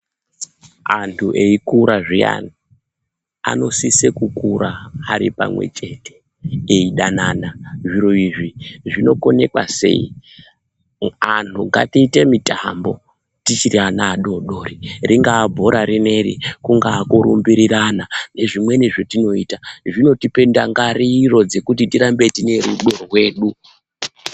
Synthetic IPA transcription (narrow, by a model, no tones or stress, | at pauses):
antʰuʔe̞ikuɾaʐija̰ni | a̰no̞sisekukuɾaːɾipa̰mwe̞̰t͡ʃe̞te̞̥ | eiɗananaʐiɾoiʐiʐino̞ko̞ne̞kwa̰se̞̰ḭ | antʰuɡa̰tiːte̞mitambo̞ | tit͡ʃirianaːɗo̞ɗo̞ːririŋɡaːbʱo̞ɾaɾine̞ɾḭkuŋɡaːkoɾṵmbiɾiranane̞ʐimwe̞niʐo̞tino̞iːtaʐino̞tipe̞ndaŋɡariro̞d͡ze̞kut̬itiɾambetine̞ɾuɗo̞rwe̞ːɗu